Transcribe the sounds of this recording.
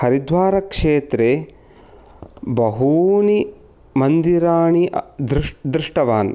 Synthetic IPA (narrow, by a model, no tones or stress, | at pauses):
hɐɾid̪ʱʋaːɾɐkʂeːt̪ɾe | bɐɦuːni | mɐnd̪iɾaːɳid̪ɾd̪ɾuʂʈɐʋaːn